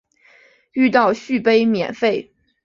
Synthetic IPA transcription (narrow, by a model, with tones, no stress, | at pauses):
y˥˧t̪ɑ˥˧ʊɕy˥˨˩pe˥ɪmjɛ̰˨˩nfe˥˩ɪ